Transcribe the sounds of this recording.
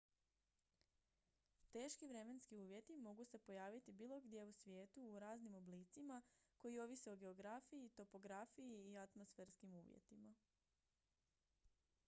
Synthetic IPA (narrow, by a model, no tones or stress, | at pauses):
t̪e̞ːʃkiʋɾe̞me̞nskiuːʋje̞t̪imo̞ɡuse̞po̞jaːʋit̪ibiːlˠo̞ɡd̪je̞usʋje̞ːt̪uːɾaːznimo̞bliːt̪simako̞jio̞ʋise̞o̞ɡe̞o̞ɡɾafijit̪o̞po̞ɡɾafijiːat̪mo̞sfeːɾskimuːʋjḛt̪ima